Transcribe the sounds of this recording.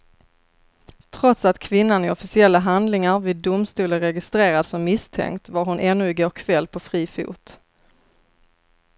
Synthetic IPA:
t̪ʰɾɔt̪sat̪kʰvɪnːanɪɔfɪsɪɛlːaɦand̪lɪŋaɾvɪːd̪ːʊmst̪uːlənɾɛɡɪst̪ɾeːɾad̪sɔmːɪst̪ʰɛ̰ŋkt̪vaɾɦʊnʔɛnːɵɪɡoːkʰvɛlːpʰɔfɾiːfṵːt̪

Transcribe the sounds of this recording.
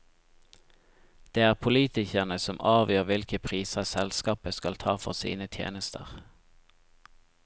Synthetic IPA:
d̪̥eːæːʁpʰʊliːt̪ɪçəʁnəsɔmʔɑːʋjøːʁʋɪlkəpʰʁiːsəsɛlskɑːpəskɑlt̪ʰɑːfɔ̰ʁsḭːnət̪ʰjḛːnəst̪ʰə̰ʁ

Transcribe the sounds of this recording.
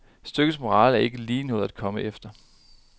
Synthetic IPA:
sd̥øɡ̥əsmo̝ʁɑ̰̈ːlæɐe̝ɡ̥əliːnoðˠæd̥̚kʰɒ̽məʔefd̥ɐ

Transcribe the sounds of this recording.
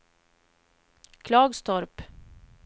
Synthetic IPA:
kʰlɑːɡst̪ʰɔɾp

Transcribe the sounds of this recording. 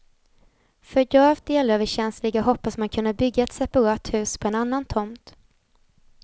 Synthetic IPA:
fœɾjœːv̚d̪eːløːvəɕɛnslɪɡaɦɔpːasmankʰɵnd̪əbʏɡːaɛt̪sɛpaɾɑːt̪hʉ̟ːspʰɔɛnanːant̪ʰɔmt̪

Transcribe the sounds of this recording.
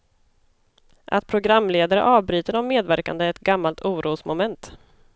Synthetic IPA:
ʔa̰t̪̚pʰɾʊɡɾamːleːd̪aɾə̰ʔɑːvbɾyːt̪əɾɔmːeːd̪væɾka̰nd̪əɛt̪ɡamːalt̪uːɾuːsmʊmɛnt̪

